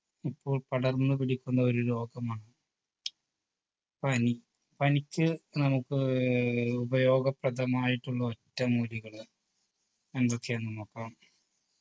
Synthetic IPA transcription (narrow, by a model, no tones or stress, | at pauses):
ipːo̞ːɭpɐɽɐrnːɨpiɽikʲːunːɐo̞ɾulo̞ːɡɐmaːɳɨ | pɐni | pɐnikʲːɨnɐmukːɨ | ubɐjo̞ːɡɐprɐd̪ɐmaːjiʈːuɭːɐotːɐmːuːliɣɐɭ | end̪ɐt̪ʰːjaːnːɐmokːaːm